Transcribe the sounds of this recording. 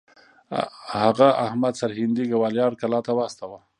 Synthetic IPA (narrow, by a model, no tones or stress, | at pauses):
haɣaahmad̪saɾhɪnd̪iɡawɑljɑɾkalɑt̪awast̪awa